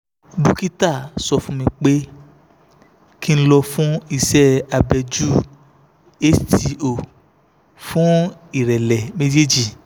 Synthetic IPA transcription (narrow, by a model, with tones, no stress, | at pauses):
du˦ki˦ta˦˨sɔ˧fũ˦mĩ˧k͡pe˦ | ki˦ñ̩˦lɔ˧fũ˦i˧˨sɛ˦a˧bɛ˧d͡ʒu˦ | e˦sti˧o˨ | fũ˦i˨ɾɛ˨lɛ˨me˦d͡ʒe˦d͡ʒi˦˨